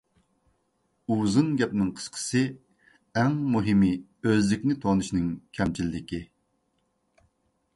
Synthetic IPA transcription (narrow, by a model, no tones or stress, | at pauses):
uzɨnɡʲɛpnɨŋqʰə̥sqʰə̥sɨ | ɛŋmuɦɪmiøzlɪkʲnɪt̪ʰɑnɨʃnɨŋkʲʰɛmt͡ʃʰilɪd̪ɪkʲi